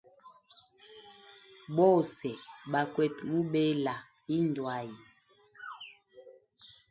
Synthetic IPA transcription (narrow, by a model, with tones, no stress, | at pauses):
bɔ˦sɛ˨ɓa˨kwɛ˨tmu˦ɓe˦la˨ | i˦n˨dwa˨˦ji˨